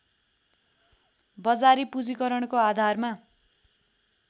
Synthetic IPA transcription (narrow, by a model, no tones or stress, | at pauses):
bʌd͡zaɾipud͡zikʌɾʌɳkoad̪ʱarma